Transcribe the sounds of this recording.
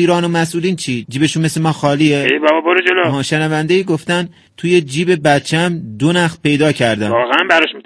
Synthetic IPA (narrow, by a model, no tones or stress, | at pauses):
iːɾɒːno̞mæsʔuːliːnt͡ʃʰiːd͡ʒiːbe̞ʃunmeslemɒːxɒːliːeebæbɒbɒɾod͡ʒeloɒʃenævænd̪eiːɡoft̪æn | t̪ʰuːje̞d͡ʒiːbe̞bæt̪t͡ʃʰːæmd̪onæxd̪pʰe̞jd̪ɒːcʰæɾd̪æ̰ɒːɣeænbæɾɒʃmi